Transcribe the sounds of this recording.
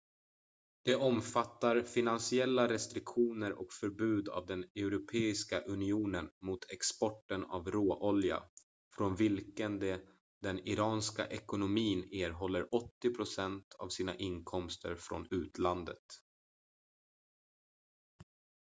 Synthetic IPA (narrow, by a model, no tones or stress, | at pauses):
d̪̥ɛʔɔmfat̪ːaɾfɪnansɪɛlːaɾɛst̪ɾɪkɧuːnəɾʔɔ̰kfœɾbʉ̟ːd̪a̰vd̪ɛnɛʊɾʊpʰeːɪskaʔɵnɪuːnənmʊt̪ʰɛkspɔʈːəna̰vɾoːʔɔlja̰ | fɾɔnvɪlkənd̪ɛ | d̪ɛnɪɾɑːnska̰ʔɛkʊnʊmiːneːɾɦɔlːəɾʔɔt̪ːɪpʰɾʊsɛnt̪ʰa̰vsiːna̰ʔɪnkʰɔmst̪ə̰ɾfɾɔ̰nʉ̟ːt̪ʰland̪ə̰t̪